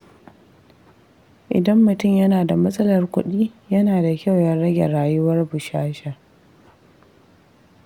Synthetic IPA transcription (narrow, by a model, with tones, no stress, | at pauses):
ʔɪ̰˨dɐ˦mːʊ˨tʊ˦˨mjɐ˦naː˨da˨mɐ˦sʼɐ˦lɐ˨rkʷʊ˦ɗiː˦jɐ˦naː˨da˨kʲa˦˨wjɐ˦nɽɐ˦ɡʲɛ˨ɾaː˨jʊ˦wɐ˦rbʊ˨ʃaː˦ʃa˨